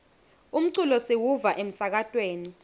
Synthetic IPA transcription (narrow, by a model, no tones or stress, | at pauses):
um̩ǀulɔsiwuvaʔem̩sak̬atʼweːni